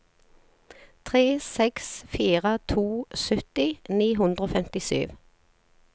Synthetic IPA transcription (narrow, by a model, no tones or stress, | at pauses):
t̪ʰʁeːsɛksfiːʁət̪ʰuːsœt̪ɪniːɦʉnd̪ʁoːfɛmt̪ɪsy̰ːʋ